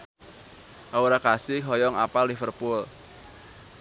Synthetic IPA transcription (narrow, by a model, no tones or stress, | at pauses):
ʔauɾakasɪɦɔjɔŋa̰palːifərpʊl